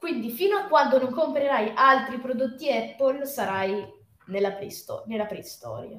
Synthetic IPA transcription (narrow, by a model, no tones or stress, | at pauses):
kwind̪ifiːnoakwand̪onoŋkompɾeɾajʔalt̪ɾipɾod̪ot̪ːiɛpːolsaɾaj | nelːapɾst̪ɔ̰nelːapɾɛst̪ɔ̰ːɾja̰